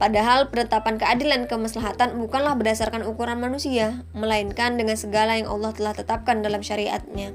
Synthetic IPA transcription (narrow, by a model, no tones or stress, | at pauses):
padaɦalpərt̪ət̪apankəadilankəmasəlaɦat̪anbukanlahbərdasarkanukuɾanmanusiaməlainkandəŋansəɡalajaŋʔɑ̰lːɑht̪əlaht̪ət̪ap̚kandalamʃaɾiʔa̰t̪̚ɲa